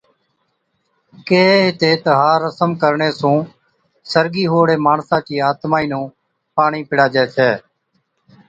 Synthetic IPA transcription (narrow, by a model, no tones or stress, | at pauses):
keːɦeːɦɪt̪eːt̪əɦaːɾəsəmkəɾɳeːsũː | səɾɡiːɦoːɽeːmaːɳsãːt͡ʃiːaːt̪maːiːnũː | paːɳiːpɪɽaːd͡ʒɛːt͡ʃʰɛː